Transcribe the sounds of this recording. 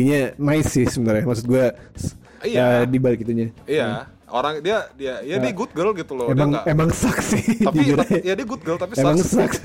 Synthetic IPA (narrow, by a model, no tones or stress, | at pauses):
iɲamaisɪhsəbənərjamaks̬ʊt̪̚ɡuas | ijdibalkit̪uɲaija | oɾaŋdiadiajaiɡut̪̚ɡəlɡit̪uloemaŋemaŋsaksɪdibiɾajjadiaɡut̪̚ɡəlt̪apiemaŋsaks